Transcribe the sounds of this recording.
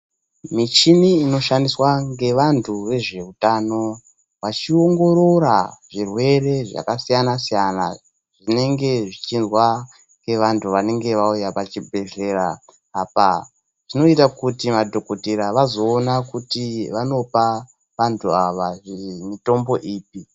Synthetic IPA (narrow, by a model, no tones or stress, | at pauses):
mit͡ʃiniːno̞ʃandiswaŋɡe̞ʋantʰuʋe̞ʐe̞utano̞ | ʋat͡ʃio̞ŋɡo̞ɾo̞ɾaʐirwe̞re̞ʐa̰kasijanasijana̰ | ʐ̥ine̞ŋɡe̞ʐit͡ʃinzwa | ŋɡe̞ʋantʰuʋane̞ŋɡe̞ʋaujapat͡ʃibʱe̞ɮe̞ɾaː | pa | ʐino̞itakutimadʱo̞ko̞tiɾaʋazo̞ːnakutiʋano̞pa | ʋantʰuaʋaʐimito̞mbo̞ʔiːp̚i